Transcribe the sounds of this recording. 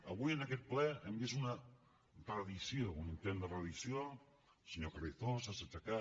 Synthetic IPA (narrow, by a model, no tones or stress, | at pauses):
əβujənakɛt̪̚plɛembezunə | t̪ɾaðisjounint̪end̪ərɾaðisjo | seɲokariθosaset͡ʃaka